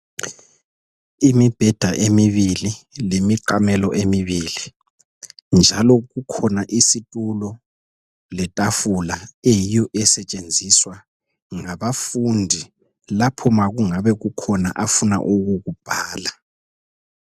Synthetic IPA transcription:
imib̥ʱɛd̥ʱaʔemiβililemiǃamɛlɔʔemiβili | nd͡ʒʱalɔɣukʰɔnaʔisitʼulɔ | lɛtʼafulaejijɔʔɛsɛt͡ʃʼend͡zʱiswa | ŋaβafundʱi | lapʰɔmaɣuŋaβɛɣukʰɔna̰ʔafuna̰ʔuɣuɣub̥ʱaːla

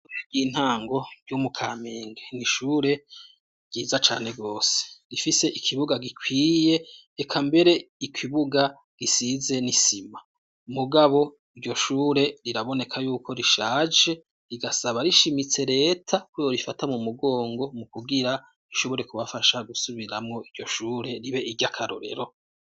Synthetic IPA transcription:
eɡiːn̥haːŋɡo̞ɾɟumukʰameːŋɡeniʃuːɾe̞ | ɡ̥iːzat͡ʃa̰ːne̞ɡo̞ːse̥ɾifise̞ʔikʰiβuɡaɡikwiːje̞ː | kʰambe̞ɾe̞ikʰiβuɡa | ɡ̥isize̞nisima | muɡaβo̞ | iɾɟo̞ʃuːɾe̞ɾiɾaβo̞ne̞kʰajuːkʰo̞ɾiʃaːd͡ʒe̞ | ɾiɡasaβaɾiʃimit͡se̞ɾe̞ːtʰakujoɾifatamumuɡo̞ːŋɡo̞mukuɡiɾa | ɾiʃo̞βo̞ɾe̞kuβafaʃaɡusuβiɾamŋo̞iɾɟo̞ʃuːɾe̞ɾiβe̞iɟakʰaɾo̰ɾe̞̰ɾo̞

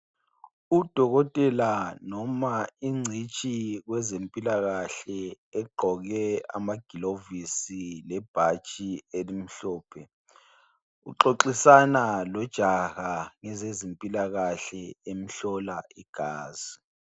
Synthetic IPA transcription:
ud̥ʱɔɣɔtʼɛlanɔmaiŋ͡ǀʱit͡ʃʼiɣwɛzempʼilaɣaɬɛ | ɛɡ͡ǃʱɔɣɛa̰maɡ̥ʱilovisilɛb̥ʱat͡ʃʼielim̩ɬɔːpʰɛ | ṵǁoǃisanalɔd̥ʒ̥ʱaɣaŋɛzezempʼilaɣaɬɛem̩ɬɔlaiɡ̥ʱaːz̥i

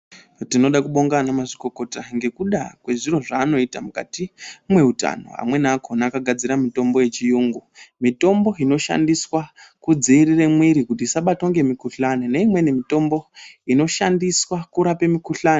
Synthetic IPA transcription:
tino̞ɗakuɓo̞ŋɡanamaʐiko̞ko̞taŋɡe̞kuɗakwe̞ʐiro̞ʐaːno̞itamuka̰timwe̞uta̰no̞̰a̰mwe̞nakʰonakaɡʱad͡ziɾamito̞mbo̞je̞t͡ʃijuːŋɡumito̞mbo̞ino̞ʃa̰ndiswakud͡ziːrire̞mwiɾikut̬isaɓato̞ŋɡe̞mikuɬanene̞imwe̞nimito̞mbo̞ino̞ʃandiswakuɾape̞mikuɬaːne

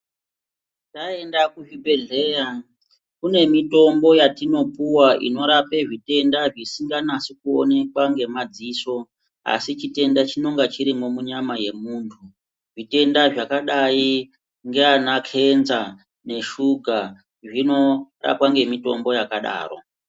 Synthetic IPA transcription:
tae̞ndakuʐibʱe̞ɮe̞ːja | kune̞mito̞mbo̞jatino̞puwaʔḭno̞ɾape̞ʐite̞ndaʐisiŋɡanasikuo̰ne̞kwaŋɡe̞mad͡ziːso̞ | a̰sit͡ʃite̞ndat͡ʃino̞ŋɡat͡ʃiɾimomuɲamaje̞muːntʰu | ʐite̞ndaʐakaɗai | ŋɡe̞anakʰe̞nza | ne̞ʃuɡʱa | ʐino̞ra̰pwaŋɡe̞mito̞mbo̞jakaɗa̰ːro̞̰

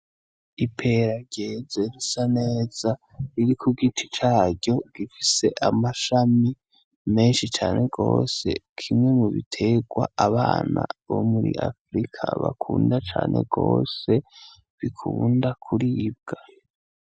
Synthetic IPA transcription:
ipʰe̞ɾaɟezeɾisane̞ːz̥a | ɾiɾikʰuɡitʰi̥t͡ʃaːɾɟo̞ɡ̥ifise̞ʔamaʃami | me̞ːnʃit͡ʃaːnʔe̞ɡo̞̰ːse̞̰kʰimŋe̞muβḭtʰe̞ɡ̥waaβaːna̰βo̞̰muɾḭʔafɾikʰa̰βa̰kʰuːndat͡ʃa̰ːnʔe̞̰ɡ̥o̰ːse̞ | βikʰundakʰuɾib̚ɡ̥a

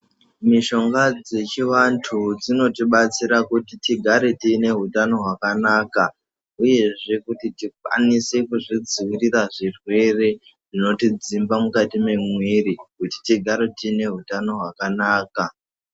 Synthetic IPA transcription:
miʃo̞ŋɡad͡ze̞t͡ʃiʋantʰud͡zino̞tiɓat͡siɾakutitiɡʱaɾetiːne̞ɦutano̞ɦwakanaːka | uje̞ʐe̞kutitik̚wa̰nise̞kuʐid͡ziwiriraʐirwe̞re̞ | ʐino̞tid͡zimbamukatime̞mwiɾikuti̥tiɡʱaɾe̞tiːne̞ɦutano̞ɦwakanaːka

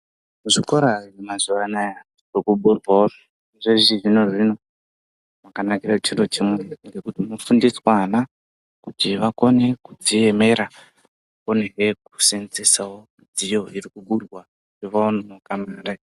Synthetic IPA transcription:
uʐiko̞ɾaiemazuʋanaja | irikuɓurwar | ʐeʐiʐino̞ʐino̞ | makanakirat͡ʃirot͡ʃimweŋɡe̞kutimufundiswana | kutiʋako̞ne̞kud͡zie̞me̞ɾa | oneɦeku̥sent͡sesawo | d͡zijo̞irikuɓurwa | kiʋaononokamaːre

